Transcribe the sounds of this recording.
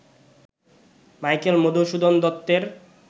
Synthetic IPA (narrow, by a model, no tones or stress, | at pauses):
majkelmod̪oʃud̪ond̪ɔt̪ːeɾ